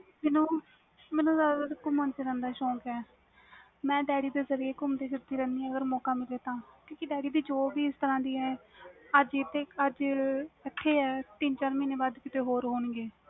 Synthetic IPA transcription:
meːnũː | mɛːnũːzaːd̪aaːɾkːʊmə̃nt͡ʃeːɾɛ̃ːnd̪aːʃɔːkɛː | mɛ̃ːɖɛːɽiːd̪eːzəɾijeːkʊmd̪eːʃəɾt̪iːɾɛ̃ːnd̪iːɛ̃ːəɡəɾmɔːkaːmɪleːt̪ãːkĩːkiɖɛːɽiːd̪iːd͡ʒoːbiːɪst̪əɾãːd̪iːɛːəd͡ʒɪt̪eːəd͡ʒɪt̪ʰːeːɛːt̪ɪnt͡ʃaːɾmiːneːbaːd̪kɪt̪eːɦoːɾɦoːnɡeː

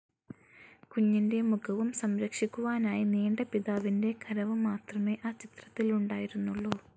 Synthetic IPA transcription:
kuɲːinde̞mukʰɐʋumsɐmɾɐkʂikʲːuʋaːnaːjineːɳɖɐpiðaːʋinde̞kʰɐɾɐʋɨmaːt̪rɐme̞ːʔaːt͡ɕit̪rɐt̪ːiluɳɖaːjiɾunːuɭːoː

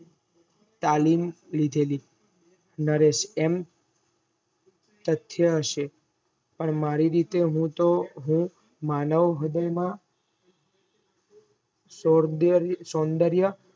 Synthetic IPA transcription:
t̪alimlid̪ʱeli | nəɾeʃem | t̪ət̪ʰːjəəʃe | pəɳmaɾiɾit̪eɦũt̪oɦũ | manəʋɦəd̪əjmã | soɾd̪ɾsond̪əɾjə

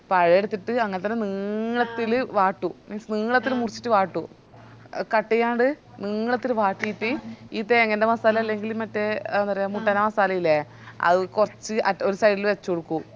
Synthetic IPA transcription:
pɐɻɐjeɽut̪ːiʈːɨɐŋːɐnet̪ːɐnːeniːɭɐt̪ːilʋaːʈːuniːɭɐt̪ːilmurit͡ɕːi̥ʈːɨʋaːʈːu | kɐʈːijaːɳɖɨniːɭɐt̪ːilʋaːʈːijit̪ːiiːt̪eːŋːɐndemɐsaːlɐmɐlːeŋɡilumɐtːeenɐrijamuʈːaːnamɐsaːlɐjilːe | ɐ̰ðɨkurɐt͡ɕːɨʔɐo̞ɾusɐjɽilʋet͡ɕːukoɽukːu

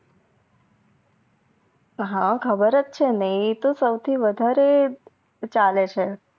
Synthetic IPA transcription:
ɦãkʰəbəɾət͡st͡ʃʰenəit̪osəwt̪ʰiʋəd̪ʱaɾe | t͡ʃalet͡ʃʰe

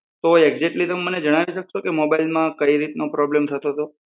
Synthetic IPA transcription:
t̪oeɡd͡ʒeʈlit̪əmeməned͡ʒəɽ̃aʋiʃəkʃʰokemobailmãkəiɾit̪nopɾɔblemt̪ʰət̪ot̪o

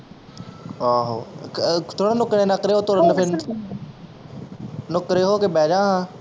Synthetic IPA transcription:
aːɦoːt̪ʰoːɽ̃õːnʊkɾeːnəkɾeːɦoːt̪oɾənəfʰɪnʰ | nʊkɾeːɦoːkebɛːd͡ʒãːɦã

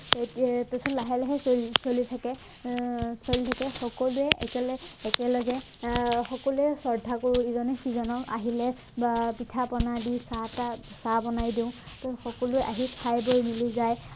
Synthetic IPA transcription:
tɔsɔtlaɦɛlɛɦɛssolitʰakɛ | solitʰakɛxɔkɔluɛʔɛkɛlːkɛlɔɡɛ | xɔkɔluɛsɔɹdʱakoɹũizɔnɛxizɔnɔka̰ɦilɛ | bapitʰapɔnadisatasabɔnajdĩʊ̃tɔxɔkɔlʊɛʔaɦikʰajbojmilizaj

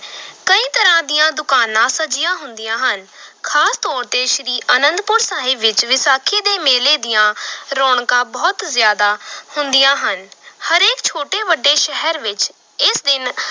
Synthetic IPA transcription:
kəĩːt̪əɾãːd̪ijãːd̪ʊkaːnãːsəd͡ʒɪjãːɦʊnd̪ijãːɦənkʰaːst̪ɔːɾt̪eːʃɾiːʔənənd̪pʊɾsaːɦɪbʋɪt͡ʃʋɪsaːkʰeːd̪eːmeːleːd̪ɪjãːɾɔːɳkãːbɔːt̪zjaːd̪aːhʊnd̪ɪjãːɦənhəɾeːkt͡ʃʰoːʈeːʋəɖːeːʃɛɦəɾʋɪt͡ʃ | ɪsd̪ɪn

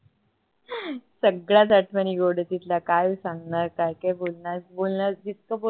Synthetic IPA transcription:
səɡɭat̪əʈʰməniɡoɽət̪it̪lakajusãŋɡnaɾkaɾkebolnabolnad͡ʑit̪̚kəpo

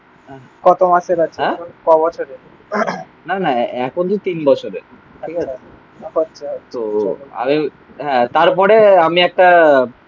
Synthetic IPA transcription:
ɦɛ | kɔt̪omaʃeɾat͡ɕʰɛ̃kɔbɔt͡ɕʰoɾe | nanaɛkʰont̪ot̪inbɔt͡ɕʰoɾe | ʈʰikae | ɔʃʰt̪oa̰mi | ɦɛ̃t̪aɾpɔɾeamiɛk̚ʈa

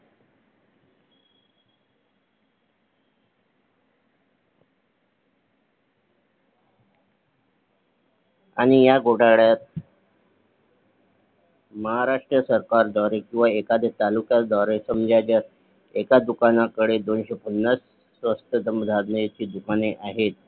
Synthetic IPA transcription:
a̰ɽ̃ijaɡʱoɽaɭjat̪̚ | məɦaɾaʂʈɾəsəɾkaɾd̪aɾekĩw̃ʋaekad̪et̪alukjad̪aɾesəmd͡ʑjad͡ʑaɾ | ekad̪ukanakəɽed̪onɕepənːasː | ʋəst̪əd̪ʱəmd̪ʱaɾnet͡ɕiːd̪ukaneʔaɦet̪̚

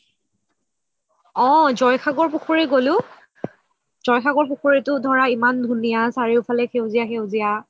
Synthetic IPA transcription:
ɔ̃zɔjkʰaɡɔɹpuxʰɔɹɛɡolʊ | z̥ɔjxʰaɡɔɹpuxoɹɛtʊdʱɔɹaimandʱunijasaɹiʊpʰalɛxewzijaxewzija

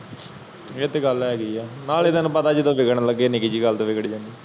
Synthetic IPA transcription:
et̪ːeːɡəlɛːɡəiɛːnaːleːd̪ənːbəd̪aːd͡ʒit̪õːʋɪɡəɽ̃ləɡːeːnɪɡiːd͡ʒiːɡəlt̪õːʋɪɡɽid͡ʒãːnd̪iː

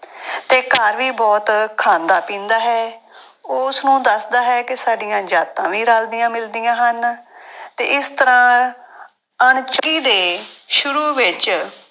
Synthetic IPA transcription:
t̪eːkəɾʋiːbɔːt̪kʰaːnd̪aːpĩːnd̪aːɦɛː | ʊsnũːd̪əsd̪aːɦɛːkɪsaːɖijãːd͡ʒaːt̪ãːʋiːɾaːld̪ɪjãːmɪld̪ijãːɦən | t̪ḛːɪst̪əɾãː | əɳt͡ʃəɡiːd̪eːʃʊɾuːʋɪt͡ʃ

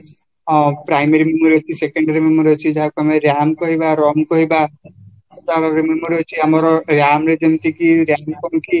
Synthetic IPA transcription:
pɾajmeɾimimɾet͡ʃʰisekeɳɖaɾimemɔɾet͡ʃʰid͡ʒaɦakameɾjamkɔɦibaɾɔmkɔɦiba | t̪aɾɔɾimemɔɾet͡ʃʰiamɔɾɔɾjamɾed͡ʒɔmt̪ikiɾjamkɔñki

